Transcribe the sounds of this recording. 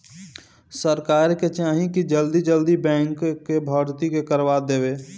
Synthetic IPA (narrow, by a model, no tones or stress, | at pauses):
səɾkaːɾket͡ʃãːɦĩkid͡ʒəld̪id͡ʒəld̪ibɛ̃ːŋkkːebʱɔːɾt̪ikekəɾʋad̪eːʋeː